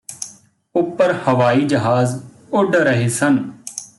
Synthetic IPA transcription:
ʊpːəɾhəʋaːiːd͡ʒəɦaːz | ʊɖɾəɦeːsən

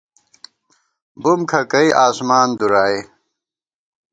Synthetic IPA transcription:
bumkʰɐkɐiʔaːsmaːnd̪uɾaːi

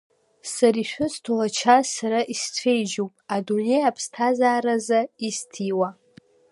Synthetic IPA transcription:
saɾiʃʷᶣʊstʰulat͡ʃʰasaɾaʔist͡sʷʰe̞jd͡ʒowpʼadune̞japʰstʰazaːɾazaistʰiwa

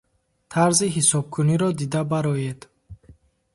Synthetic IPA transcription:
t̪ʰaɾziɦisɔb̚kʰuniɾɔd̪id̪abaɾɔjed̪

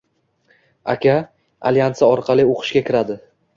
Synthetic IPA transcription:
a̰kʲa | a̰ljansaɒɾqʰɑlˠɪoqʰɨ̥ʃɡʲakʲʰɪɾad̪ɪ

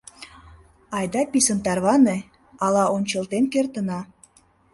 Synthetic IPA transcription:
ɑjd̪ɑpisə̆nt̪ɑrβɑne | ɑlɑʔonʲt͡ɕə̆lt̪enkert̪ə̆nɑ

